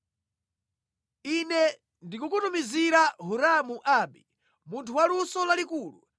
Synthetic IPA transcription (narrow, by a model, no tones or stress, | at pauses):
inɛ | ndikukutumiziɾaɦuɾamuʔaːɓi | muntʰuwalusɔlalikuːlṵ